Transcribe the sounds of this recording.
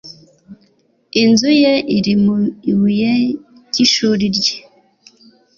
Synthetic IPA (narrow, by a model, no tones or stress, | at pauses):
inzujeiɾimuiwuje | ciʃuɾiɾɟe